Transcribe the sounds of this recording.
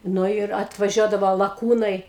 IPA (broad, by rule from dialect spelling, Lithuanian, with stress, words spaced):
ˈnʊ ɪr ɐtʋɐˈʒʲuɔdɐʋoː lˠɐˈkuːnɐɪ